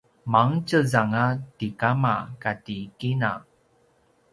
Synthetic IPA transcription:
maŋt͡ʃəzaŋatikamakatikina̰

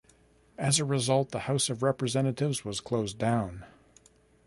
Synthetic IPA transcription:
ɨzɨɹɨzʌlˠt̪̚ðəhaʊsʌvɹɛpɹɨzɛ̃nɨɾɪvzwʌz̥kʰl̥oʊzdãʊ̃n

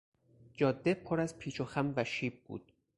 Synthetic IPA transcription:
d͡ʒɒːd̪ːepʰoɾæzpʰiːt͡ʃʰoxæmvæʃiːb̚bṵːd̪̥̚

